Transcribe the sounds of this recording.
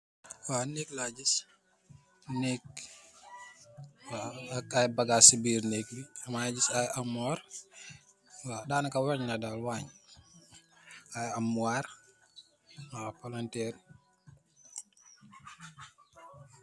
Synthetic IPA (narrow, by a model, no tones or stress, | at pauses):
wanɛːklaɟis | nɛk̚ | wakajbaɡaːsibiːɾnɛːk̚biɐmaɟisajamaɾ | wadaːnakawaɲnadalwaɲ | ajamuar | napalantɛːɾ